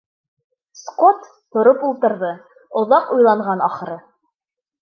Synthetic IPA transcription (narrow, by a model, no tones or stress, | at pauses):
sqot̪ːŏɾopulˠt̪ɤ̆ɾðɤ | ŏðɑqujlˠɑɴʁɑnɑχɤ̆ɾɤ